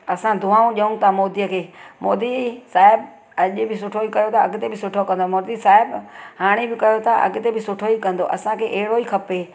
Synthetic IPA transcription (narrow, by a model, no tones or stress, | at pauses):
ɐsãd̪ʱʊaːũʄɐũt̪ʰamoːd̪ijəkʰeːmoːd̪isaːɦɪb | ɐʄʊbɪsʊʈʰoikɐjot̪ʰaɐɡɪt̪ebɪsʊʈʰokɐ̃n̆d̪omoːɾd̪isaːɦɪbɦaːɽ̃ibɪkɐjot̪ʰaʔɐ̰ɡɪt̪ebɪsʊʈʰoikɐ̃nd̪oʔɐ̰sãkʰeːʔeɦɪɽoikʰɐpeː